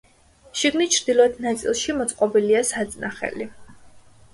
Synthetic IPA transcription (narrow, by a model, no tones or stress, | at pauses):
ʃiɡnit͡ʃʰɾd̪̥ilˠɔɛt̪ʰnat̪sʼḭlˠʃimɔt̪sʼqʼɔbiliasat̪sʼnaχɛ̰li